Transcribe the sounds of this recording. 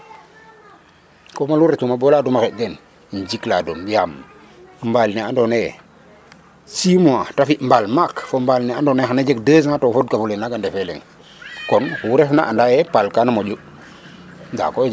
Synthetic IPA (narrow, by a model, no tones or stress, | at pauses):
komaluɾetumabolaːdumaxet̚den | ɲd͡ʒikladumjam | mbalneandone | simoatafiʔmbalmakfombalneandonexanad͡ʒekdəs̬ŋatofodkafulenaɡandefelḛŋ | konhuuɾefna̰ʔandajepalkanamoɟu | nda̰ko